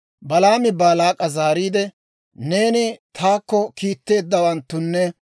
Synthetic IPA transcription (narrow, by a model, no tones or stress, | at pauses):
bɐlaːmɪbaːlaːkʼɐzaːɾiːd̪ɛ | ne̞ːnɪt̪ʰaːkːɔkiːt̪ːe̞ːd̪ːɐwɐnt̪ːʊnːɛ